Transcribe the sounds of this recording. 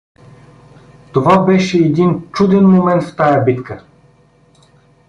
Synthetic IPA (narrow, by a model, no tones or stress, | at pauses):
t̪ovabɛʃɛːd̪int͡ʃud̪ɛnmomɛnt̪ft̪ajəbit̪kə